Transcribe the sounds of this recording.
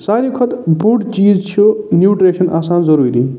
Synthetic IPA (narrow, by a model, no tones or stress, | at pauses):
saɾikʰɔt̪buʈt͡siːd͡zt͡ʃʰijonjuʈɾeːsʌnʔaːsaːnzʌɾuɾḭ